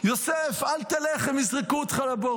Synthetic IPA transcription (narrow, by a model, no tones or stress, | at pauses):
jɔsɛfalt̪alɛχɛmɪsʁɪkut̪χalabɔ